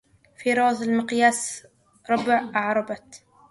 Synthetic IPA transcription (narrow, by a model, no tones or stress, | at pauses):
fiɾɑːzˤɪlmɪqjaːs | ɾˤɑbɪʕʔɑʕɾˤɑbɑt̪